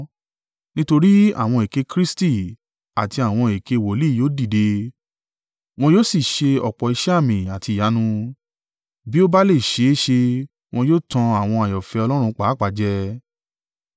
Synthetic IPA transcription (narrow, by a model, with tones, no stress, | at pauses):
nĩ˦to˧ɾi˦a̰˦˨w̃ɔ̃˧e˨ke˧kɾi˦sti˦˨ | a˨ti˧a˨w̃ɔ̃˧e˨ke˧˨wo˨li˦˨joː˦di˦˨de˧ | w̃ɔ̃˧joː˦˨si˦˨ʃe˧ɔ˨k͡pɔ˨i˧ʃɛ˦a˦˨mĩ˨a˨ti˧˨a˨˦nũ˧ | bi˦o˦ba˦le˦˨ʃe˧˦ʃe˧ | w̃ɔ̃˧joː˦˨tã˧a˨w̃ɔ̃˧a˨jɔ˨fɛ˧ɔ˧lɔ˦ɾ̃ũ˧k͡pa˨˦k͡pa˨d͡ʒɛ˧˦